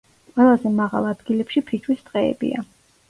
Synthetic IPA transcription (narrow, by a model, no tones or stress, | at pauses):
qʼwɛlˠazɛmaʁa̰lˠad̪ɡilɛpʃipʰit͡ʃʰwisd̪̥qʼɛ̰ːbḭa̰